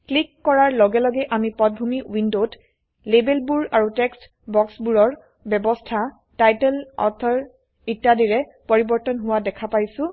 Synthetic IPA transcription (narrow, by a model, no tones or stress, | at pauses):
klikːɔɹaɹlɔɡɛlɔɡɛʔamipɔt̚bʱumiwindot | lebelbuɹaɹutɛkst | bɔksbuɹɔɹ | bjɛbɔstʰa | tajtɛlɔ̰t̪ʰɔɹ | itːadiɹɛpɔɹibɔɹtɔnɦʊwadɛkʰapajsʊ̃